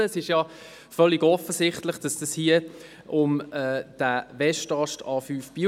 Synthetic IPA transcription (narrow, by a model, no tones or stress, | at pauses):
əːsɪʃjɑ | fœlːiɡɔfəsɪχtləχd̥ɑsd̥ɑshiə | ʔʊmɛːd̥ævɛʃtɑʃtɑːfyːfb̥i